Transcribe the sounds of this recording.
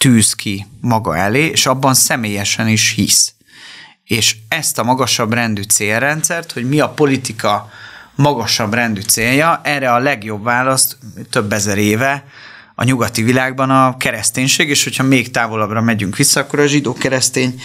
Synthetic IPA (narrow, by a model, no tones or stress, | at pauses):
t̪yːskʰimɒɡɒ̰ɛleːḛːʃɒbːɒnsɛmeːjɛʃɛniʃhis | eːʃɛst̪ɒmɒɡɒʃɒbrɛnd̪yt̪seːlːɛnt̪sɛrt̪ho̞ɟmiɒpo̞lit̪ikʰɒmɒɡɒʃɒbrɛnd̪yt̪seːljɒʔɛrɛɒlɛɡjo̞bvaːlɒst̪t̪øbːɛzɛɾeːvɛ | ɒ̰ɲuɡɒt̪ivilaːɡ̚bɒnɒkɛɾɛst̪eːɲʃeːɡeːʃho̞chɒmeːkt̪aːvo̞lɒbrɒmɛɟyŋkʋisːɒɒkːo̞ɾɒʒid̪oːkɛɾɛst̪eːɲ